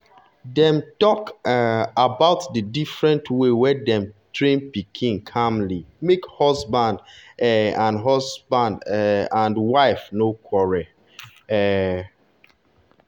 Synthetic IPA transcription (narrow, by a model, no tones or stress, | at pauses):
dɛ̃mtɔk | abaʊtdədifɹɛ̃ntʰwewɛdɛ̃mtɹẽnpikʰĩŋkʰãmlimekhɔzbãndɛãnɦɔzbãndɛãndwaɪfnokʰwɔɹɛ | ɛ